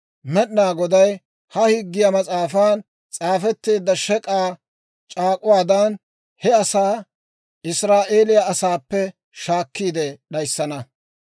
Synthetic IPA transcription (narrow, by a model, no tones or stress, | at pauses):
mɛɗnaːɡɔd̪ɐj | hɐhɪɡːɪjamɐt͡sʼaːfaːn | t͡sʼaːfɛt̪ːeːd̪ːɐʃɛkʼaː | t͡ʃʼaːkʼʊwaːd̪ɐn | hɛɐsaː | ɪsɾaːʔe̞ːlɪjɐːsaːpːɛ | ʃaːkːiːd̪ɛɗɐjsːɐnɐ